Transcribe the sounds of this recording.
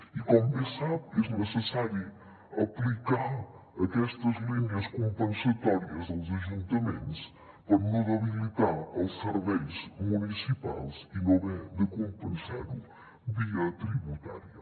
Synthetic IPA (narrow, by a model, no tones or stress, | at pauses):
ikomuesaβeɾnɨsɨsaɾju | ɐplˠikaɾɐkɛʃt̪ɐzlˠiɲɐʃkõmpẽnsɐt̪ɔɾiɐzðɐzɐʒũnt̪ɐmẽnt̪uʃ | pɐmnuðɐβilˠit̪aɾawsɨɾβejzmunisipa̰lˠzinõβɛ̃d̪ɨkõmpẽnsa̰ɾũ | βiɐt̪ɾiβut̪a̰ɾjɐ